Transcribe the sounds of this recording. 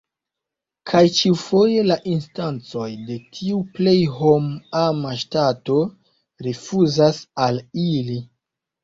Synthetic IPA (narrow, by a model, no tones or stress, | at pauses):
kʰajt͡ʃiufo̞je̞laʔinstant͡so̞jde̞tʰiuple̞jɦo̞mamaʃtato̞ | ɾefuzasalili